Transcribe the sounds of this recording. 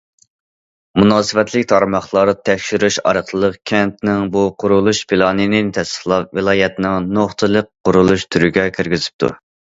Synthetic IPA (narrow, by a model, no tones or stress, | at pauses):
munɑːsɨvɛt̪ʰlɪkʲt̪ʰɑɾmɑχlˠɑɾɨt̪ʰɛkʲʃyɾyʃɑ̰ɾəqlˠəlˠəqkʲʰɛnt̪̚nɪŋbuqʰʊɾulˠuʃpʰilˠɑːnɨnɪt̪ʰɛsə̥χlˠɑvɨlˠɑːjɛt̪nɪŋnoχt̪ʰɨlˠəqːʊɾulˠuʃt̪ʰyɾyɡʲɛkʲʰiɾɡʲizɪ̥p̚t̪ʰṵ